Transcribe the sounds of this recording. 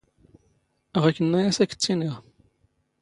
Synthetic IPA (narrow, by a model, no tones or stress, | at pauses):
ʁækːənːæjæsækːə̥t͡sːiniʁ